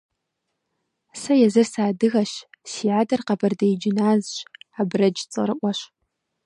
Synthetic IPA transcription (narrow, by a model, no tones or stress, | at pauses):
sɐjɛzɐrsaːdɨɣɐɕsiːʕaːdɐrqɐbʰɐrdɐjd͡ʒɪnaːzɕaːbrɐd͡ʒt͡sʼɨ̰rɨʔʷɔɕ